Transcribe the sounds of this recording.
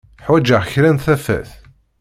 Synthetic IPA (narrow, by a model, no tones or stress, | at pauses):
ħwæd͡ʒəʁçɾænθæfæ̰θ